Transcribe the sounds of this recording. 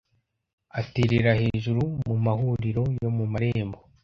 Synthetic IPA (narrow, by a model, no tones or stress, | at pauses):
ateɾeɾaheːʒuɾumumahuɾiɾo̞jo̞mumaɾeːmbo̞